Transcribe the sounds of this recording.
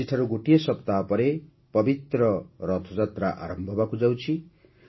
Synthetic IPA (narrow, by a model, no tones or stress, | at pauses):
iʈʰaɾuɡuʈijesʌpt̪apʌɾe | pʌbit̪ɾʌɾʌt̪ʰod͡zat̪ɾaʔa̰ɾʌmbʱʌbakud͡zaw̃t͡sʰi